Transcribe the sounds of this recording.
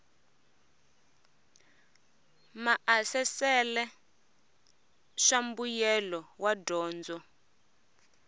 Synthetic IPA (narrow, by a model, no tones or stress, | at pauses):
maʔasɛsɛlɛ | ʃambujɛlɔwadɔːnd͡zɔ